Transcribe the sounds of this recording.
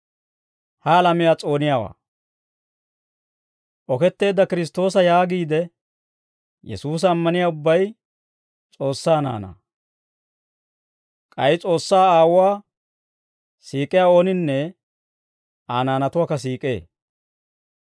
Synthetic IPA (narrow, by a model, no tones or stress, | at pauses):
hɐlɐmɪjaːt͡sʼo̞ːnɪjaːwa̰ː | ʔɔkɛt̪ːe̞ːd̪ːɐkɪɾɪs̬t̪ːo̞ːsɐjaːɡiːd̪ɛ | jɛ̰suːs̬ːmːɐnɪjaːʊbːɐj | t͡sʼo̞ːsːaːna̰ːna̰ː | kʼɐjɪt͡sʼo̞ːsːaːaːwʊwaː | siːkʼːɪjaːo̞ːnɪnːɛ | aːnaːnɐt̪ʊwaːkɐs̬iːkʼḛː